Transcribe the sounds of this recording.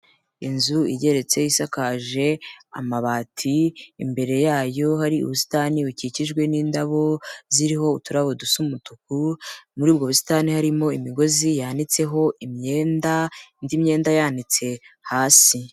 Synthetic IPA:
inzuiɟe̞ɾe̞t͡se̞jisakaʒe̞a̰maβaːtʰḭːmbe̞ɾe̞jaːjo̞haɾiṵβusi̥taːniuciciʒɡwe̞niːndaβo̞ziɾiɦo̞utuɾaβodusumutukumuɾiːbɡo̞βusi̥taːnihaɾimo̞imiɡo̞zijanit͡se̞ɦo̞ʔimɲeːndandimɲe̞ːndajaːndit͡se̞haːsi

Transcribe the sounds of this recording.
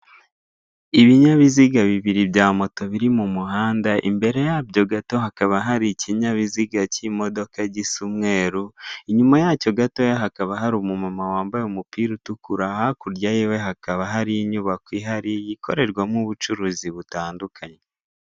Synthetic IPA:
iβiɲaβiziɡaβiβiɾibjaːmo̞to̞βiɾimumuɦaːndaʔḭmbe̞ɾe̞jabjo̞ɡato̞ɦakaβaɦaɾiciɲaβiziɡacimo̞do̞kaɟisumŋe̞ːɾuiɲumajaːco̞ɡato̞jaɦakaβaɦaɾumumamawaːmbajomupiːɾutukuɾahakuɾɟajiwe̞ɦakaβaɦaɾiɲuβakwiɦaɾijiko̞̰ɾe̞ɾɡwamŋuβut͡ʃuɾuziβutaːndukʰaɲe

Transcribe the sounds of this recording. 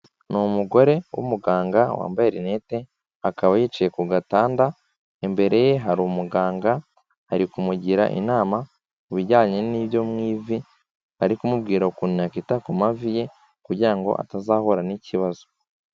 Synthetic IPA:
numuɡo̞ɾe̞wṵmuɡaːŋɡawa̰ːmbajeɾine̞te̞ | akaβajit͡ʃije̞kuɡataːnda | embe̞ɾe̞je̞ɦaɾumuɡaːŋɡa | aɾikumuɟiɾa̰ʔḭnaːma | uβiɟaːɲe̞niβjo̞mŋiːvi | haɾikumubɡiːɾakuninakitakumavije̞ | kuɾɟiɾaŋɡo̞̰ʔa̰tazaːho̞ɾaniciβazo̞

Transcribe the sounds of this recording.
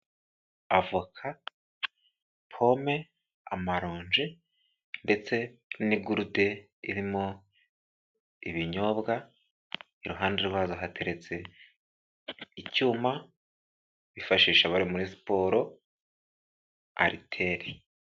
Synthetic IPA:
avukʰa | pʰo̞me̞ | a̰maɾoːɲd͡ʒi | nde̞t͡se̞niɡuɾude̞ | ḭɾimo | iβiɲo̞bɡa | iɾuɦaːndeɾwaːzoɦatʰe̞ɾe̞t͡se̞ | icuːma | βifaʃiːʃaβaɾimuɾisi̥po̞ɾo̞ | a̰ɾitʰe̞ɾi

